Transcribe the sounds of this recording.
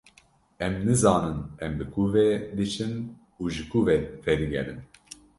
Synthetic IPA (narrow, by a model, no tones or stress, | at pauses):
ɛmnɨzɑːnɨnɛmbɨkʰuvɛd̪ɨt͡ʃʰɨn | uːʒɨkuːvɛfɛɾɨɡʲɛ̰ɾɨn